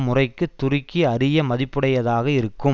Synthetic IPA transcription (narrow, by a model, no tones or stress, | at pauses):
mʊrɐɪkːɯt̪ːʊrɪkːiɐrɪjɐmɐðɪpːɯɽɐjɐðaːɣɐɪɾɯkːɯ